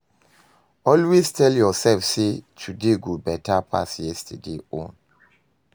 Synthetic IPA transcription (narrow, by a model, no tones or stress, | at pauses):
ɔlweztʰɛljɔsɛlfsetʰudeɡobɛtʰapʰa̰sjɛstʰedeõ̰n